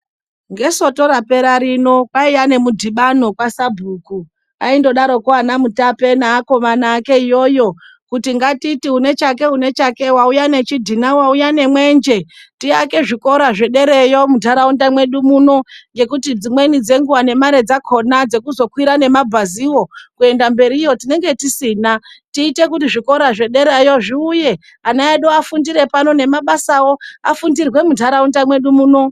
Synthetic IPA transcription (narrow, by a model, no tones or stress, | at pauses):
ŋɡe̞so̞to̞ɾape̞ɾaɾino̞kwaiane̞mudʱiɓano̞kwasabʱuːku | a̰indo̞ɗaɾo̞kuanamutape̞naːko̞manaːke̞ijo̞ːjo̞ | kutiŋɡatitiune̞t͡ʃak̬e̞une̞t͡ʃake̞waujane̞t͡ʃidʱinawaujane̞mwe̞nd͡ʒe̞tiake̞ʐiko̞ɾaʐe̞ɗe̞ɾe̞jo̞mudʱaɾaundamwe̞ɗumuno̞ŋɡe̞kutid͡zimwe̞nid͡ze̞ŋɡuwane̞maɾe̞d͡zakʰo̞nad͡ze̞kuzo̞kwiɾane̞mabʱaziwo̞kue̞ndambe̞ɾijo̞tine̞ŋɡe̞tisiːnatiːte̞kutiʐiko̞ɾaʐe̞ɗe̞ɾejo̞ʐiuje̞ | anaeɗoafundiɾe̞panone̞maɓasawo̞afundirwe̞mudʱaɾaundamwe̞ɗumuːno̞